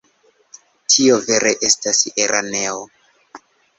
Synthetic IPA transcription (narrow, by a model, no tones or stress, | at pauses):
tʰio̞ve̞ɾeʔe̞staseɾʔane̞o